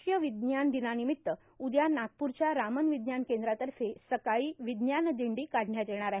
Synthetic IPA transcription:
jəʋid̪njand̪inanimit̪ːə | ud̪janak̪̚puɾt͡ɕjaɾamənʋid̪njankẽnd̪ɾat̪əɾfesəkaiːʋid̪njanəd̪iɳɖiːkaɽ̤ʱɳjat̪jeɽ̃aɾaɦi

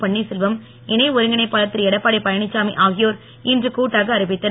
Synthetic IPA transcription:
pɐɳːisɛlʋɐm | ɪnɐɪɔɾɯŋɡɪnɐɪpːaːlɐt̪ːɪɾɛɽɐpːaːɽɐɪpɐjɐɳɪt͡ʃːaːmiʔaːɣɪjoːɾ | ɪndrɯkuːʈːaːɣɐːɾɪbɪt̪ːɐ

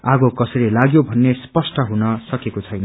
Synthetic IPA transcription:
aɡokʌsʌɾilaɡjobʱʌnːespʌsʈʌɦunʌsʌkekot͡sʰʌjnʌ

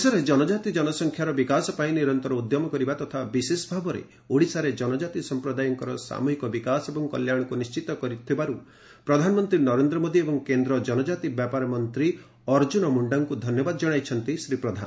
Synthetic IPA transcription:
sɔɾed͡ʒɔnɔd͡ʒat̪id͡ʒɔnɔsɔŋkʰjaɾɔbikasɔpaĩniɾɔnt̪ɔɾɔud̪jɔmɔkɔɾibat̪ɔt̪ʰabisesɔbʱabɔɾḛ | oɽisaɾed͡ʒɔnɔd͡ʒat̪isɔmpɾɔd̪ajɔŋkɔɾɔsa̰muɦikɔbikasebɔŋkɔljaɽ̃ɔkunist͡ʃit̪ɔkɔɾit̪ʰibaɾu | pɾɔd̪ʱanɔmɔnt̪ɾinɔɾend̪ɾɔmod̪iebɔŋkend̪ɾɔd͡ʒɔnɔd͡ʒat̪ibjapaɾɔmɔnt̪ɾi | ɔɾd͡ʒunɔmuɳɖaŋkud̪ʱɔnjɔbad̪ɔd͡ʒɔɽ̃ajt͡ʃʰɔnt̪isɾipɾɔd̪ʱa̰n

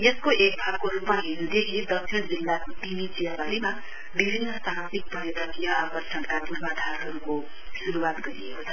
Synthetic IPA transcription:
eskoʔek̚bʱab̚koɾupmaɦinud̪ekʰied̪ʌksʰind͡zilːakot̪init͡sijabaɾima | bibʱinːʌsaɦãt̪ik̚pʌɾiɾʌtijʌapʌrsʰʌnkapuɾbad̪ʱaɾɦʌɾuko | suɾuwat̪ɡʌɾiḛkot͡sʰʌ

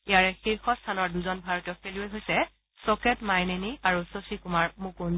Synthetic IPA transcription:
ijaɹɛxiɹxɔst̪ʰanɔɹduzɔnbʱaɹɔtjɔfeliojɦojsɛ | sɔkɛtmajneniaɹusosikumaɹmukun

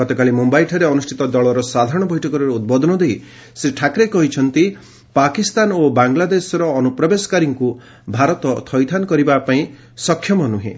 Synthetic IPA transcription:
ɔt̪ɔkalimumbajʈʰɔɾeɔnusʈʰi̥t̪ɔd̪ɔɭɔɾɔsad̪ʱaɾɔɽ̃ɔbʱɔjʈʰɔkɔɾɔɾeud̪̚bɔd̪ʱɔnɔd̪ej | seʈʰakɾekɔɦit͡ʃʰɔnt̪i | pakist̪anobaŋlad̪esɔɾɔːnupɾɔbesɔ̥kaɾiŋku | bʱaɾɔt̪ɔt̪ʰɔjt̪ʰankɔɾibapaĩ | sɔkʰːjɔmɔnuɦḛ̃

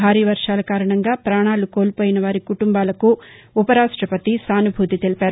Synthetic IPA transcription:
aːɾiːʋɐɾʂaːlɐkaːɾɐɳɐŋɡaːpɾaːɳaːluko̞ːlpoːjinɐʋaːɾikuʈumbaːlɐkuː | pɐɾaːʂʈɾɐpɐt̪isaːnubʱuːt̪it̪elipaːɾu

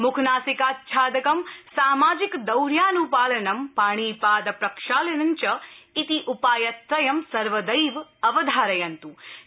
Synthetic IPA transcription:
mukʰnaːsikaːt̪̚t͡ʃʰaːd̪ɐkɐmsaːmaːd͡ʒikd̪ɐwɾjaːnupaːlɐnɐmpaːɳ̃iːpaːd̪ɐpɾɐkʂaːlɐnɐɲt͡ʃɐit̪iʔupaːjɐt̪ɾɐjɐmsɐɾʋɐd̪ɐjʋɐʋɐd̪ʱaːɾɐjɐnt̪u

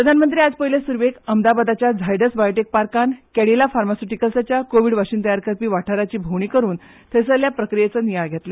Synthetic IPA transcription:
ppɾəd̪ʱanmənt̪ɾiːad͡zpəjlesuɾʋekəmd̪abad̪at͡ɕjad͡zʱajɖəsbajoʈek̚paɾkankɛɽilafaɾmasuʈikəlsat͡ɕjakoʋiɽʋaɕiːnt̪əjaɾkəɾpiːʋaʈʰaɾat͡ɕiːbʱoʋɳiːkəɾuːn | t̪ʰəsəljapɾəkɾijet͡sənijajɡʱet̪le

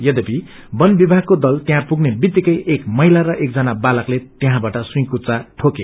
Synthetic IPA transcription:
jʌd̪ʌpi | bʌnbibʱaɡ̚kod̪ʌlt̪jãpuɡnebit̪ːikʌjʔekmʌɦilaɾʌʔek̚d͡zʌnabalʌklet̪jeɦãbaʈʌsuj̃kut͡saʈʰoke

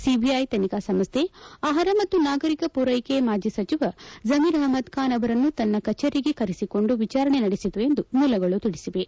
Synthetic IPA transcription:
sibʱiɐjt̪ɐnikaːsɐmst̪ʰeaːɦɐɾɐmɐt̪ːunaːɡɐɾikɐpuɾɐjkemaːd͡ʒisɐt͡ʃiʋɐzɐmiɾaːmɐd̪kaːnɐʋɐɾɐnːut̪ɐnːɐkɐt͡ʃːɐɾiɡe̞kɐɾisiko̞ɳɖuʋit͡ʃaːɾɐɳenɐɽesit̪ue̞nd̪umuːlɐɡɐɭut̪iɽisiʋe

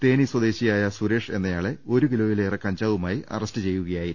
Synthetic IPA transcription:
t̪e̞ːniswɐd̪e̞ːɕijaːjɐsuɾe̞ːʂe̞nːɐjaːɭeo̞ɾuʋilo̞ːjileːrekɐɲd͡ʑaːʋumaːjiʔɐ̰rɐstɨt͡ɕe̞jːuɣɐjaːji

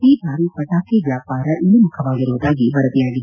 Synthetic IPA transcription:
iːbʱaːɾipɐʈaːkiʋjaːpaːɾɐʔilumukʰɐʋaːɡiɾuʋud̪aːɡibɐɾɐt̪ijaːɡi

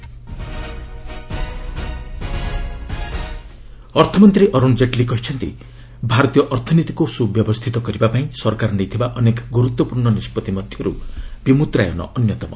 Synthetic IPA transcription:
ɔɾt̪ʰɔmɔnt̪ɾiʔɔɾund͡ʒeʈlikɔɦit͡ʃʰɔnt̪ḭ | bʱaɾɔt̪ijɔʔɔɾt̪ʰɔnit̪ikusubjɔbɔst̪ʰit̪ɔkɔɾibapaĩsɔɾkaɾnejt̪ʰibaʔɔnekɔɡuɾut̪wɔpuɾɳɔnispɔt̪imɔd̪ʱjɔɾṵb̥imut̪ɾa̰jɔ̰nɔ̰ʔɔnjɔt̪ɔmɔ̰

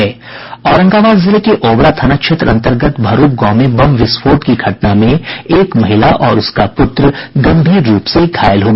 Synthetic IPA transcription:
ɛː | ɔːɾə̃ŋɡaːʋaːd̪zɪlekeʔoːbɭat̪ʰɐnakʃʰet̪ɾɐ̃nt̪əɾɡət̪bʱɐɾuːp̚ɡɔːmebɐmʋɪsfoːʈkiɡʰʱɐʈ̚namẽeːkmɐɦɪlaʔɔːɾʊskapʊt̪ɾəɡɐ̃mbʱiːɾːuːpsekʰaːjɪlɦoː

